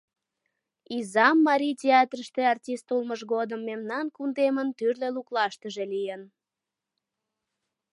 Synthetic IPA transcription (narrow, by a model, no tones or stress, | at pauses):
izɑmːɑɾʲitʲeɑt̪rəʃt̪eɑrtʲist̪ulməʒɣod̪əmːemnɑnkund̪emənt̪yrleluklɑʃt̪əʒe̽lijən